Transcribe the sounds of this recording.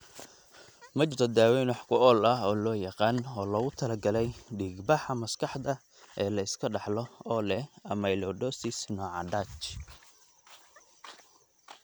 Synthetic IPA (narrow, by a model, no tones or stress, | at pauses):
mɐt͡ʃɾɔd̪aːwɛːnwɑħkʰʊʔɔːlɐɦɔːlɔːjɑqɑːnɔːlɐɣʊt̪ʰɐlɐɡɐlɛjɖiːɡbɑħɐmɐskʰɑħd̪ɐ | ɛːlɐɪskʰɐɖɑħlɔɔːlɛɐmɐjlɔːɖɔːsisnɔːʕɑ̰ɖaːt͡ʃ